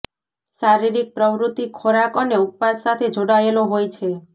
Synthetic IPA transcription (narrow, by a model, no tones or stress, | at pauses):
ʃaɾiɾik̚pɾəʋɾut̪ikʰoɾakoneup̚pasːat̪ʰed͡ʒoɽaeloɦojt͡ʃʰe